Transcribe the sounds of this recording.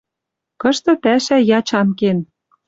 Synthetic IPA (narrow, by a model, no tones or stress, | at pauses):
kɤ̆ʃt̪ɤ̆pæʃæjɑt͡ɕɑnken